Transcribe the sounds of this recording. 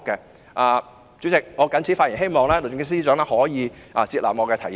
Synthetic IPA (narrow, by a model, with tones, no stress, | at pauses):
kːɛ˧ | ʔaː˨˧ | t͡sy˨˥t͡sɪ˨k̚ŋɔː˨˧kɐ˨˥nt͡sʰi˨˥fa˧t̚ji˨˩ɦe˥jmɔː˨ŋlɛː˥lo˨˩ʊ˨˩ŋ˥siː˥t͡sœː˨˥ŋlɛː˥hɔː˨˥jiː˨˧ʔaː˨t͡siː˧t̚laː˨p̚ŋɔː˨˧kɛː˧t̪ʰɐ˨˩j